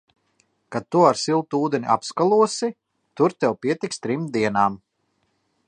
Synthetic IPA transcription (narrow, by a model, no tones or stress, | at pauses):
kad̪̚t̪ːuaɾsilˠt̪uːd̪enʲiʔa̰pskalˠuɔsi | t̪uɾt̪ɛwpiɛt̪ikst̪ɾimd̪iɛnaːm